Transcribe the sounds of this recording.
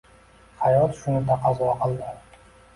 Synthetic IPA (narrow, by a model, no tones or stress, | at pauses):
hajɒt̪ʃʊnɪd̪aqʰɑzɒqʰɨlˠd̪ɪ